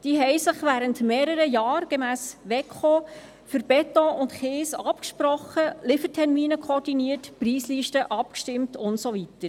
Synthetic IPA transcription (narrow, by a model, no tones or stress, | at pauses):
d̥iːɦɛjsɪχʋæːɾəntmeːɾəɾəjɑːɾɡ̥ɛmæːsʋɛkχoː | fʏɾb̥ɛtɔʔʊntχeːsɑpkʃpɾɔχəlɪfətʰɛɾmiːnəkʰɔɾd̥iniːətpriːsliʃtəʔɑpkʃtɪmtʊntsoʋitəɾ